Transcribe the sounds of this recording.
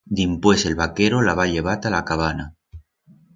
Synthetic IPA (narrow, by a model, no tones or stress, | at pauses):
d̪impwe̞se̞lβakeɾolaβ̞aʎe̞β̞at̪alakaβana